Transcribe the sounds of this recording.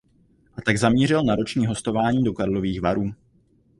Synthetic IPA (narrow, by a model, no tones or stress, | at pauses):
ʔat̪aɡzamɲiːr̝ɪlnaɾo̞t͡ʃɲiːɦo̞st̪o̞vaːɲiːdo̞kaɾlo̞viːxvaɾuː